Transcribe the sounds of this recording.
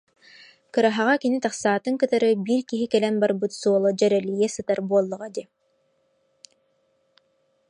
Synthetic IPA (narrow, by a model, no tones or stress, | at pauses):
kɯɾaɦaʁakinit̪aχsaːt̪ɯŋkɯt̪aɾɯbiːɾkiɦikɛlɛnbaɾbɯt̪suɔlˠɔd͡ʑœɾɛlijɛsɯt̪aɾbuɔlˠːuʁad̪i